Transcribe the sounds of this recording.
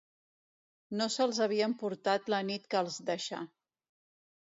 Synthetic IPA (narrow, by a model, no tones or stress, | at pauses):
nosəlˠzəβ̞iəmpuɾt̪at̪lənit̪kəːlˠzd̪əʃa̰